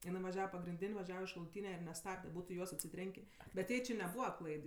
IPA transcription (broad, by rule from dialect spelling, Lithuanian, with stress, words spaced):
ɪˈnɐɪ ʋɐˈʒʲæːʋɐ pɐɡrʲɪnʲˈdʲɪnʲ ʋɐˈʒʲæːʋɐ ɪʃ ʃɐlˠʊˈtʲiːnʲɛ ɪr nʲɛˈstɑːbʲdʲɛ ˈbuːtʊ ɪ ˈjuɔs ɐtʲsʲɪˈtʲrʲɛŋʲkʲeː bʲɛt ˈjɛɪ t͡ʃʲɪ nʲɛˈbuːʋɐ ˈklˠɐɪt